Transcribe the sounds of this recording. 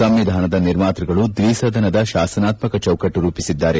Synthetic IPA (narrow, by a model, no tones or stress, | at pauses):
sɐmʋid̪ʱaːnɐd̪ɐniɾmaːt̪ɾɐɡɐɭud̪ʋiːsɐd̪ʱɐnɐd̪ɐʃaːsɐnaːt̪mɐkɐt͡ʃɐwkɐʈːuɾuːpisid̪ːaːɾe